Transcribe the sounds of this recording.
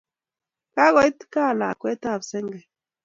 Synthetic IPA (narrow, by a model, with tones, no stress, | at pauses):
ka˦ɣɔ˨i˦tka˦˨la̰˨kwɛ˦ta˦˨bsɛ˦ŋɡɛ˨